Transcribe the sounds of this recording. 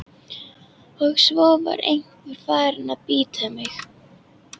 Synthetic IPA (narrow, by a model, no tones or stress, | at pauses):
hœɣsvɔːva̰ɾḛjŋ̥kvʏɾ̥faːɾɪnapiːt̪ʰamɪx